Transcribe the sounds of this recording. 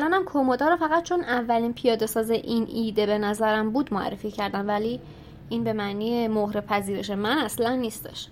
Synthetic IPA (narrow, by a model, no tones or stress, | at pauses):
lɒːnæmkʰomod̪ɒːɾofæɣæt̪̚t͡ʃʰonævːælinpʰijɒːd̪e̞sɒːzeʔinʔiːd̪e̞be̞næzæɾæmbuːd̪moæ̰rːe̞ficʰæɾd̪ænvæli | inbe̞mæʔniːjemohɾe̞pʰæziːɾe̞ʃe̞mænæslænːiːst̪e̥̰ʃ